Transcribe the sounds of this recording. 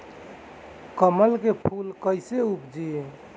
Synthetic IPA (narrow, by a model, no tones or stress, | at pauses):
kəməlkepʰulkəɪseupd͡ʒi